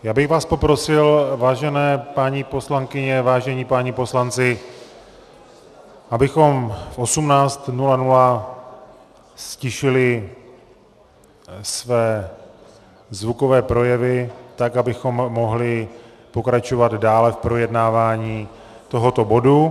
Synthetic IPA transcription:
jaːbɪɣvaːspo̞pɾo̞sɪlvaːʒɛnɛːpaːɲipo̞slaŋkɪɲɛvaːʒɛɲipaːɲipo̞slant͡sɪ | ʔabɪxo̞mfʔo̞sumnaːt͡st̪nulanula | scɪʃɪlɪ | svɛː | zvuko̞vɛːpɾo̞jɛvɪt̪akabɪxo̞mːo̞ɦlɪ | po̞kɾat͡ʃo̞vad̪daːlɛfpɾo̞jɛdnaːvaːɲiː | t̪o̞ɦo̞t̪o̞bo̞du

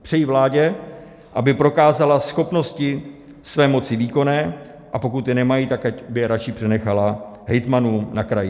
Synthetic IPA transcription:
pr̝̥ɛjivlaːɟɛ | ʔabɪpɾo̞kaːzalasxo̞pno̞scɪ | svɛːmo̞t͡sɪviːko̞nɛː | ʔapo̞kut̪jɛnɛmajit̪akacbɪjɛɾat͡ʃɪpr̝̥ɛnɛxalaɦɛjt̪manuːnakɾajɪ

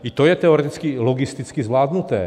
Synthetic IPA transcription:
it̪ojɛt̪ɛɔɾɛt̪it͡skilɔɡist̪it͡skizʋlaːd̪nut̪ɛ̰ː

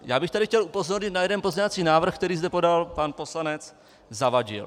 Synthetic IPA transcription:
jaːbɪxt̪adɪxcɛlupo̞zo̞ɾɲɪt̪najɛdɛnpo̞zɲɛvat͡siːnaːvr̩xkt̪ɛɾiːzd̪ɛpo̞dalpanpo̞slanɛt͡s | zavaɟɪ̰l

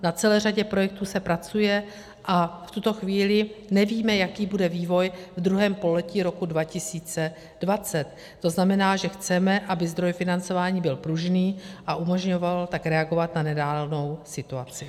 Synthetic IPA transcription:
nat͡sɛlɛːraɟɛpɾo̞jɛk̚t̪uːsɛpɾat͡sujɛ | ʔaft̪ut̪o̞xviːlɪnɛviːmɛjakiːbudɛviːvo̞jvd̪ɾuɦɛːmpo̞lɛciːɾo̞kudvacɪsiːt͡sɛ | dvat͡sɛt̪ːo̞znamɛnaːʒɛxt͡sɛmɛʔabɪzd̪ɾo̞jfɪnant͡so̞vaːɲiːbɪlpɾuʒniːʔaʔumo̞ʒɲo̞valt̪akɾɛaɡo̞vat̪nanɛdaːlno̞wsɪt̪uat͡sɪ

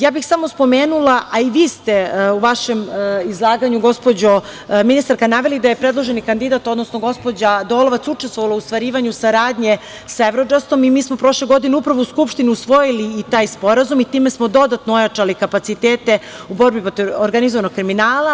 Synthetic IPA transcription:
jaːbixsamo̞spo̞meːnulˠaʔaiʋiːst̪euʋaʃemizlˠaːɡaɲuɡo̞spo̞d͡ʑominist̪aɾkanaːʋelid̪ajepɾedlˠo̞ʒenikand̪id̪at̪o̞d̪nosnoɡo̞spod͡ʑad̪o̞lˠoʋat̪sut͡ʃest̪ʋoʋaloust̪ʋaɾiːʋaɲusaɾaːd̪ɲe̞ | saevɾod͡ʒast̪o̞mimiːsmo̞pɾo̞ʃleɡo̞d̪ineupɾaʋouskupʃt̪iniusʋo̞jiliːt̪aːjspo̞ɾazumit̪iːmesmo̞d̪o̞d̪at̪noojat͡ʂalikapat̪sit̪eːt̪e̞ | ubo̞ɾbipɾot̪ivoɾɡanizoano̞ɡ̚kːɾiminaːlˠa

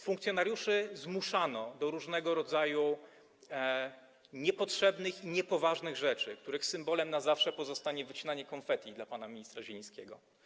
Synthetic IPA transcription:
fũŋkt̪sʲjɔnaɾjuʂɘzmuʂanɔd̪ɔɾuʐnɛɡɔɾɔd̪zaju | ɲɛpɔtʂɛbnɘxiɲɛpɔvaʐnɘɣʐɛt͡ʂɘkt̪uɾɘxsɘmbɔlɛmnazafʂɛpɔzɔst̪aɲɛvɘt͡ɕinaɲɛkɔnfɛt̪ʲid̪lapanamʲiɲist̪ɾaʑeĩskʲeɡɔ

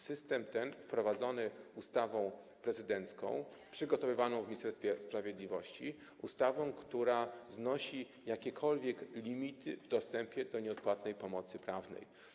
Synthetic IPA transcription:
sɘst̪ɛmt̪ɛnfpɾɔvad̪zɔnɘust̪avɔ̃w̃ | pɾɛzɘd̪ɛnt̪skɔ̰̃w̃ | pʂɘɡɔt̪ɔvɘvanɔ̃w̃vmʲist̪ɛɾst̪fʲjɛspɾavʲjɛd̪lʲivɔɕt͡ɕi | ust̪avɔ̃w̃kt̪uɾaznɔɕi | jakʲɛkʰɔlvʲjɛklʲimʲit̪ʰɘvd̪ɔst̪ɛmpʲjɛd̪ɔɲɛɔt̪̚pwat̪nɛjpɔmɔt̪sɘpɾavnɛ̰j

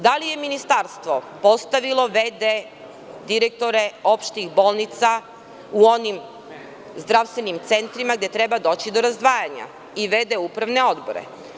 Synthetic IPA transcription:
d̪alije̞minist̪aɾst̪ʋopo̞st̪aʋilˠo̞ʋed̪e | d̪iɾek̚t̪o̞ɾe̞o̞pʃt̪ixbo̞ːlˠnit̪sa | uo̞nim | zd̪ɾaʋst̪ʋe̞nimt̪se̞nt̪ɾimaɡd̪e̞t̪ɾebad̪o̞ːt͡ɕid̪o̞ɾazd̪ʋaːjaɲa̰ | iʋe̞d̪eupɾaʋne̞o̞d̪bo̰ɾḛ

